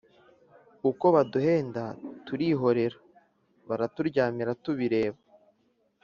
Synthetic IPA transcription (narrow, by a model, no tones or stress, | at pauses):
uko̞βaduhe̞ːndatuɾiːɦo̞ɾe̞ɾa | βaɾatuɾɟaːmiɾatuβiɾe̞ːβa